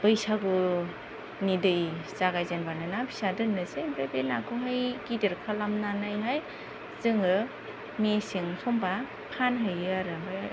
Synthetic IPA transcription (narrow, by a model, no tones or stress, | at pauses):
pɯjsaɡu | nidɯjzaɡajzenbanɯnabʰi̥sadɯnːɯsebebenakʰuɦajkidiɾkʰalamnanajɦaj | zɯŋɯ | mesiŋsʰɔmba | pʰanɦɯjɯaɾɯb